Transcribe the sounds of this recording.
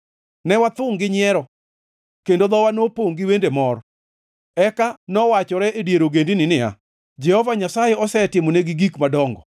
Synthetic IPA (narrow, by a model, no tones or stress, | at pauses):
nɛwat̪ʊŋɡɪɲɪɛɾɔ | kendod̪ɔwanopoŋɡɪwendemɔɾɔ | ɛkanɔwat͡ʃɔɾɛʔedjeɾoɡendinɪnɪa̰ | d͡ʒɛhɔvaɲasajeɔsɛtɪmoneɡiɡikmadɔŋɡɔ